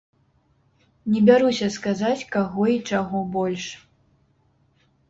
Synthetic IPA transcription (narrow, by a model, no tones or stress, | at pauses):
nʲɛbʲaɾusʲɐskazat͡sʲkaɣɔit͡ʂaɣɔbɔlʲʂ